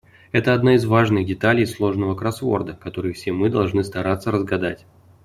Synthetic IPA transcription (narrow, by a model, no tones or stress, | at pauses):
ɛt̪əɐd̪naɪzvaʐnɨxdʲɪt̪alʲɪjslˠo̞ʐnəvəkɾɐsvo̞̰rd̪əkɐt̪o̞ɾɨjfsʲemɨd̪ɐlˠʐnɨst̪ɐɾat̪sːəɾəzɡɐd̪a̰tʲ